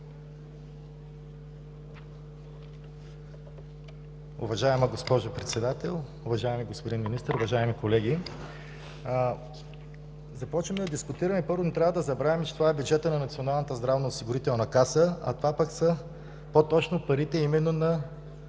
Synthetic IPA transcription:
ʊ̰vɐʒaɛmɐɡospɔʒʊpɾɛt̪sɛd̪at̪ɛlˠ | ʊvɐʒaɛmiɡospod̪inminist̪əɾʊvɐʒaɛmikolɛɡʲi | zɐpɔt͡ʃvəmɛd̪ɐd̪iskʊt̪iɾɐmɛpɤɾvʊt̪ɾʲavəd̪ɐzɐbɾavɛmɛt͡ʃɛ̥t̪vaɛbʲjud͡ʒɛt̪ənɐnɐt̪sionalˠnət̪əzd̪ɾavnɐʊsiɡʊɾit̪ɛlˠnɐkasəɐ̰t̪ovapəksə | pot̪ɔt͡ʃnopɐɾit̪ɛimɛnːonɐ

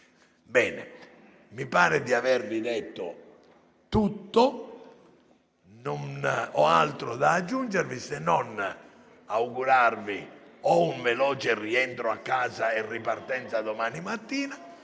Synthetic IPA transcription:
bɛːnɛ̰ | mipaːɾɛd̪iavɛɾvid̪ɛt̪ːo̰ | t̪ut̪ːo | nɔnɔa̰lt̪ɾoðaːd͡ʒːund͡ʒɛɾvisɛnːɔn | awuɡuɾaɾviɔuɱvɛlɔːt͡ʃerːiɛnt̪ɾoakːaːzaɛrːipaɾt̪ɛnt̪sad̪omaːnimat̪ːiːna

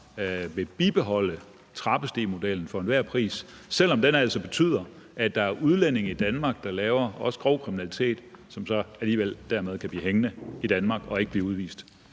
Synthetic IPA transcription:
ʋe̝b̥ib̥e̝ɦɒ̽l̰ə | t͡sʰʁɑ̈b̥əsd̥e̝̰ːmo̝d̥el̰n̩fɒ̽enʋæɐ̰pʰʁḭːssel̰ɒ̽md̥enæl̰sɒ̽b̥e̝t͡sʰy̰ːð̰ˠɐʔæd̥ɑ̈æɐʔuð̞ˠlene̝ŋid̥ænmɑ̈ːɡ̥̚d̥ɑ̈lɛːʊɐɒ̽sə̥ɡ̥ʁɒʊkʰʁiminælit͡sʰe̝̰ːd̥sɒ̽msɒ̽æliːʋel̰d̥æɐmeð̞ˠkʰæblḭːɦeŋnəid̥ænmɑ̈ɡ̥ɒ̽e̝ɡ̥əb̥liːuð̞ˠʋḭːsd̥

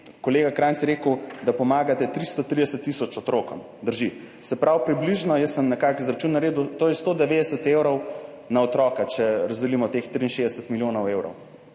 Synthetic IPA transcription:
kɔleːɡakɾansjɛɾeːkəwd̪apɔmaːɡat̪ɛt̪ɾist̪ɔt̪ɾid̪ɛsət̪ːisɔt͡ʃɔt̪ɾoːkɔ̰m | d̪əɾʒi | sɛpɾawpɾibliʒnɔjəssəmnɛkakizɾat͡ʃunːaɾeːd̪ut̪oːjɛst̪od̪ɛʋed̪ɛsət̪ewɾɔw | naɔt̪ɾɔːkat͡ʃɛɾɐzd̪ɛlimɔt̪ext̪ɾiːnʃezd̪ɛsɛt̪miljoːnɔwewɾɔ̰w

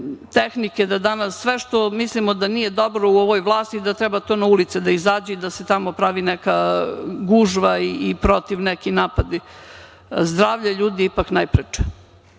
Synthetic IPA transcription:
t̪exniked̪ad̪anasːʋeʃt̪o̞mislimod̪anije̞d̪o̞bɾo̞uoʋojʋlˠaːst̪iːd̪at̪ɾɛbat̪onaulit̪sed̪aizaːd͡ʑeid̪aset̪amo̞pɾaʋinɛkaɡuʒʋaiːpɾo̞t̪iʋnekinaːpad̪i | zd̪ɾaːʋʎaʎuːd̪iipaknajpɾet͡ʃe̥

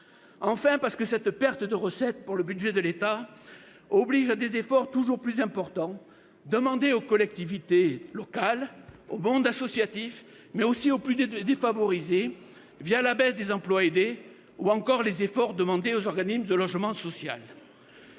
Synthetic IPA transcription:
ɑ̃fɛ̃paʁsə̥kəsɛt̪pɛʁt̪əd̪əʁəsɛt̪puʁləbyd̪ʒɛd̪əlet̪a | ɔbliʒad̪ezefɔʁt̪uʒuʁplyzɛ̃pɔʁt̪ɑ̃ | d̪əmɑ̃d̪eokɔlɛk̚t̪ivit̪elɔkalomɔ̃d̪asɔsjat̪if | mɛosioplyd̪efavɔʁize | vjalabɛsd̪ezɑ̃plwaed̪e | uɑ̃kɔʁlezefɔʁd̪əmɑ̃d̪eozɔʁɡanisməd̪əlɔʒmɑ̃sɔsja̰l

